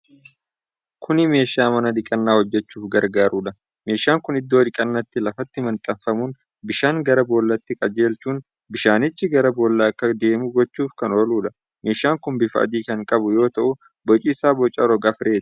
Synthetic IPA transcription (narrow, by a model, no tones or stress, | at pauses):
kʰʊnɪme̞ːʃaːmɐnɐd̪ɪkʼɐnːaːhɔd͡ʒːɛt͡ʃːuːfɡɐɾɡaːɾuːᶑɐ | me̞ːʃaːŋkʊnɪd̪ːo̞ːᶑ̪ɪkʼɐnːɐt̪ːɪlɐfɐt̪ːɪmɐnt̪ʼɐfɐmun | bɪʃaːŋɡɐɾɐboːlːɐt̪ːɪkʼɐd͡ʒe̞ːlt͡ʃuːn | bɪʃaːnɪt͡ʃːɪɡɐɾɐboːlːaːɐkːɐd̪e̞ːmʊɡɔt͡ʃːuːfkɐno̞ːluːᶑɐ | me̞ːʃaːŋkʊnbɪfɐ̰d̪iːkɐŋkʼɐbʊjo̞ːt̪ɐʔʊ | bɔt͡ʃʼiːsaːbɔt͡ʃʼɐɾɔɡɐfɾe̞ːt̪